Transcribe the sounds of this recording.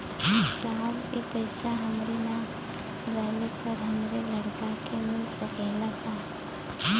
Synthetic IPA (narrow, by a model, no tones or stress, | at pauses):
saːbepɐɪsaɦɐmɾena | ɾɛɦlepɐɾɦɐmɾelɐɽkakemɪlsɐkelɐɡaː